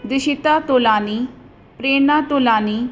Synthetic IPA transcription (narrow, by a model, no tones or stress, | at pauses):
d̪ɪʃɪt̪aːt̪oːlaːniː | pɾeːnaːt̪oːlaːniː